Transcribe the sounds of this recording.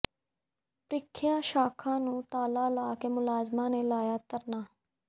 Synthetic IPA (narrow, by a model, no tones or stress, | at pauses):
pɾɪkʰːɪjãːʃaːkʰãːnũːt̪aːlaːlaːkeːmʊlaːzmãːneːlaːjaːt̪əɾnaː